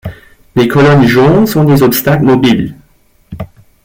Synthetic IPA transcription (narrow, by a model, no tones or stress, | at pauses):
lekʰɔlɔɲʒɔ̃sɔ̃d̪ezɔpst̪aklmɔbil